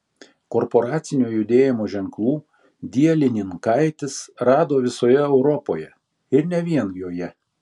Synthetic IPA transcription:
kɔɾpoɾɑːt̪sʲɪnʲuːjʊd̪ʲeːjɪmoːʒʲɛŋklˠuː | d̪ʲiɛlʲɪnʲɪnkɐɪt̪ʲɪsɾɑːd̪oːʋʲɪsoːjɛɛʊɾɔpoːjɛ | ɪɾnʲɛʋʲiɛnjoːjɛ

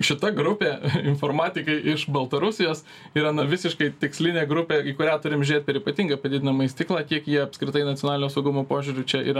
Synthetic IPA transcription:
ʃʲɪt̪ɐɡɾʊpʲeːɪnfoːɾmɑːt̪ʲɪkɐɪʔɪʃbɐlˠt̪ɐɾʊsʲɪjoːs | iːɾɐnɐʋʲɪsʲɪʃkɐɪt̪ʲɪksʲlʲɪnʲeːɡɾʊpʲeːiːkʊɾʲæːt̪ʊɾʲɪmʒʲʊɾʲeːt̪̚pʲɛɾiːpɐt̪ʲiːŋɡɐpɐd̪ʲɪd̪ʲɪnɐmɐɪsʲt̪ʲɪklˠɑːkʲiɛkjiɛɐpʲskɾʲɪt̪ɐɪnɐt͡sʲjonɑlʲɪnoːsɐʊɡʊmoːpoːʒʲʊɾʲʊt͡ʃʲɛḭːɾɐ

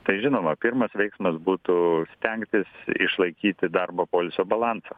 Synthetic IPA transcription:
t̪ɐɪʒʲɪnoːmɐpʲɪrmɐsʋʲɛɪksmɐsbuːt̪ʊsʲt̪ʲɛŋkt̪ʲɪsɪ̰ʃlˠɐɪkʲiːt̪ʲɪd̪ɐrbɐpoːlʲɪsʲoːbɐlˠɑnsɐ

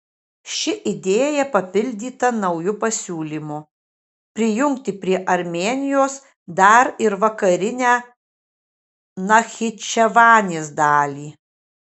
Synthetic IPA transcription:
ʃʲɪʔɪd̪ʲeːjɛpɐpʲɪlʲd̪ʲiːt̪ɐnɐʊjʊpɐsʲuːlʲiːmʊ | pʲɾʲɪjʊŋʲkt̪ʲɪpʲɾʲiɛʔɐɾʲmʲeːnʲɪjoːs | d̪ɐɾɪɾʋɐkɐɾʲɪnʲæː | nɐxʲɪt͡ʃʲɛʋɑːnʲeːsd̪ɑːlʲiː

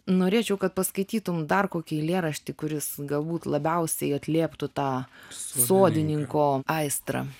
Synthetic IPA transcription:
noːɾʲeːt͡ʃʲɛʊkɐt̪̚pɐskɐɪt̪ʲiːt̪ʊmd̪ɐrkoːkʲɛɪlʲeːɾɐʃʲt̪ʲɪkʊɾʲɪsɡɐlˠbuːt̪lˠɐbʲɛʊsʲɛɪɐt̪ʲlʲeːpt̪ʊt̪ɑːsoːd̪ʲɪnʲɪŋkoːɐɪst̪ɾɐ̰

